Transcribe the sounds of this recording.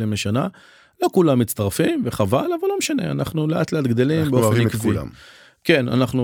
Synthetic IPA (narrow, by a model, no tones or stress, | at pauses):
limleʃana | lo̞kulamːitt͡st̪aʁfimveχavalavalːo̞meʃane̞̰a̰na̰χnuleʔat̪leat̪ɡd̪elimbeofnkvṵ | ke̞na̰naχnu